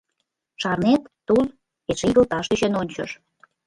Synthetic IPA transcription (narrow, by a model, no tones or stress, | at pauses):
ʃɑrnet̪ːul | eʃiɣəlt̪ɑʃiɕə̆nonʲt͡ɕə̰ʃ